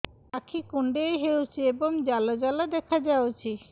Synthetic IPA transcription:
akʰikuɳɖejɦewt͡ɕʰieboŋd͡ʑalad͡ʑalad̪ɛkʰad͡ʑawt͡ɕʰi

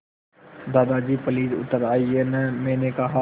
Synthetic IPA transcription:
d̪aːd̪ad͡ʒiːpəliːdʊ̰t̪ːəɾaːienɛ̃mɛ̃ːnekɐɦa

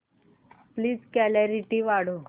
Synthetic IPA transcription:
pliːd͡zkɛlaɾiʈiʋaɽ̤o

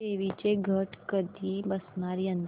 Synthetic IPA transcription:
eʋit͡ʃeɡʱəʈkəd̪ibəsnaɾijə̃nd̪

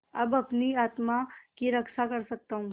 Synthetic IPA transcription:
ɐbɐpniaːt̪makiɾɐkʃakɐɾsɐk̚t̪aɦũː

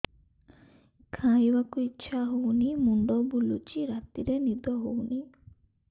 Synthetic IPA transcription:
kʰãjbakuitːʃʰaɦownimuɳɖɔbulut͡ʃiɾat̪iɾenid̪ɔɦowni

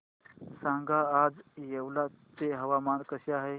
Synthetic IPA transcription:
sãːŋɡaaːd͡ʒjəwlat͡ʃeɦɐʋamaːnkəsjaɦe

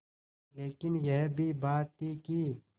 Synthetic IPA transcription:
leːkɪnjɛɦbʱibaːt̪ːikiː

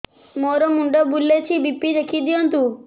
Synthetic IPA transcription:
moɾɔmuɳɖɔbulːet͡ɕʰibipːid̪ekʰid̪ijɔnt̪u

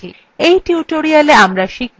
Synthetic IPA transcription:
ḭ | ejʈiuʈoɾialeamɾaʃik̚

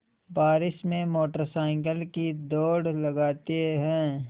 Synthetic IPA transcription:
baːɾɪʃmẽmoːʈəɾsaːɪ̃ŋɡəlkid̪ɔːɽlɐɡaːt̪eɦɛ̃ː

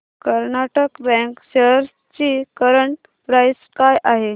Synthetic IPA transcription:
kəɾnaʈəkbɛ̃kɕeɾ | t͡ɕikəɾəɳʈ | pɾajskajʔaɦe

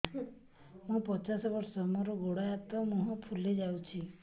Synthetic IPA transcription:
mũpɔt͡ʃasɔbɔɾsɔmɔɾɔɡoɽajat̪ɔmũɦɔ̃pʰuled͡ʒawt͡ʃʰi

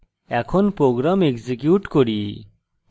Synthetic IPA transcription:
ɛkʰɔnpɾoɡɾamekzikjuʈkoɾi

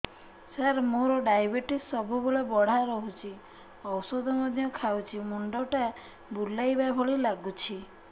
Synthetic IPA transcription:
saɾmoɾɔɖajbeʈisːɔbubolebɔɽ̤aɾɔɦut͡ʃʰi | ɔwsɔd̪ʱɔmɔd̪ʱjɔkʰawt͡ʃʰimuɳɖɔʈa | bulːajbabʱɔɭilaɡut͡ʃʰi

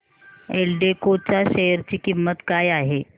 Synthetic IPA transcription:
elɖekot͡saɕejəɾt͡ɕiːkimːət̪kajaɦe

